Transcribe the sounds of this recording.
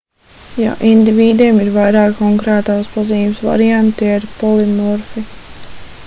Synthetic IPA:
ja̰ʔind̪iviːd̪eːmiɾvajɾaːkɔŋkɾɛːt̪aːspaziːmsʋa̰ɾiant̪iɛɾpɔlˠimɔɾfi

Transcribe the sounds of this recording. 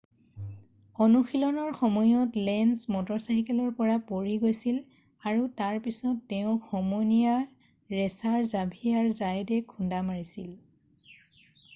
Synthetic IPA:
ɔnuxilɔnɔɹxɔmɔjɔtlɛnsmɔtɔɹsajkɛlɔɹpɔɹapoɹiɡojsil | aɹutaɹpisɔtːeʊ̃xɔmɔnija | ɹɛsaɹzabʱijaɹzajdɛkʰundamaɹisil

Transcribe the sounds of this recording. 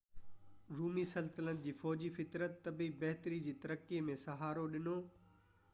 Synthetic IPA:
ɾuːmisɐlsɪlənd͡ʑiːfɔːd͡ʑifɪt̪ɾət̪ːɐbibɐɦt̪ɾid͡ʑiːt̪ɐɾəkːiemẽsɐɦaːɾoɗɪnoː

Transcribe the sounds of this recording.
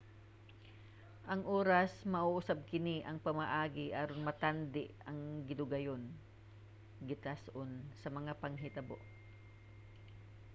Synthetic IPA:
ʔɐŋʔoːɾɐsmɐʔuʔʊsab̚kɪniʔɐŋpɐmaʔaːɡɪʔaːɾonmɐt̪and̪ɪʔɐŋɡɪd̪ʊɡɐjon | ɡɪt̪asʔonsɐmɐŋapɐŋɦɪt̪ɐbo̰ʔ

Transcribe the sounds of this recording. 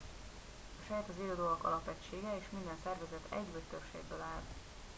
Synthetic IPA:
ɒʃɛːt̪ɒziːld̪oːɒkɒ̰lɒpɛct͡ʃːeːɡɛeːʃmind̪ɛnsɛrvɛzɛt̪ʰɛ̰ɟbøtt̪øpʃḛːɡ̚bøːlaːl

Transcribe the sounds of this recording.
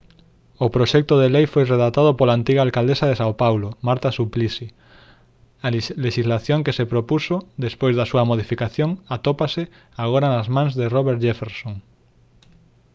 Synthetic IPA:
opɾoʃɛk̚t̪oð̞elejfojreðat̪að̞opolant̪iɣalkald̪esaðesawpawlomaɾt̪asuplisi | aleʃizlaθjoŋkesepɾopusod̪espojzðasuɐmoð̞ifikaθjoŋat̪opasɪ | aɣoɾanazmãŋzðeroβeɾt̪d͡ʒefeɾsoŋ

